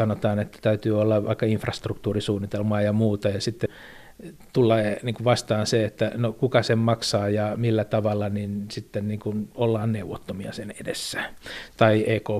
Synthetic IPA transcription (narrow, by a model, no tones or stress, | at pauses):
sɑnot̪ɑːnet̪ːæ̥t̪æyt̪yːolːɑʋɑ̰ikːɑiɱfrɑst̪rukt̪uːrisuːnːit̪elmɑːjɑmuːt̪ɑjɑsit̪ːe | t̪ulːɑniːŋkuʋʋɑst̪ɑːnseet̪ːænokukɑsemmɑksɑːjɑmilːæt̪ɑʋɑlːɑninsit̪ːenniːŋkunolːɑːnneuʋːˑot̪ːomiɑ̰senedḛsːæ̥t̪ɑiʔeːko